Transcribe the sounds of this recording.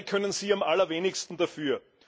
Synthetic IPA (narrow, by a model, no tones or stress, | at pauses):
kʰœnənz̥iːamʔalɐveːnɪçstn̩dafyːɐ